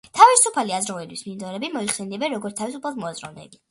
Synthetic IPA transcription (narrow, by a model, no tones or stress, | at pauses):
t̪ʰavisupʰaliazɾɔvɛlwismind̪ɔɾɛbimɔiχsɛniɛbɛnɾɔɡɔɾt̪t̪ʰavisupʰalˠd̪mɔazʼɾɔ̰vnɛ̰bi